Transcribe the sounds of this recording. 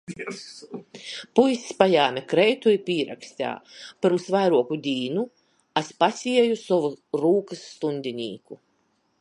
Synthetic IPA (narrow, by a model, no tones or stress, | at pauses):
pujsspajaːmʲɛkɾɛjt̪uipʲiːɾa̰ksʲt̪ʲa̰ːpɨɾmsvajɾuɔkud̪ʲiːnu | aspasʲiɛjusɔvuɾuːkɨsːt̪unʲd̪ʲinʲḭːku